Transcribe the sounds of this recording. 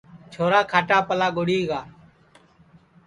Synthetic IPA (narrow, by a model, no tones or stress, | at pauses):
t͡ʃʰoːɾaːkʰaːʈaːpəlaːɠʊɽiːɡaː